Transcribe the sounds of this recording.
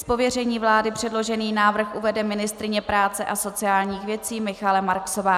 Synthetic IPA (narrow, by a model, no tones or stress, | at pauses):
spo̞vjɛrɛɲiːvlaːdɪpr̝̥ɛdlo̞ʒɛniːnaːvr̩xʔuvɛdɛmɪnɪst̪ɾɪɲɛpɾaːt͡sɛʔaso̞t͡sɪjaːlɲiːxvjɛt͡siːmɪxalɛmaɾkso̞vaː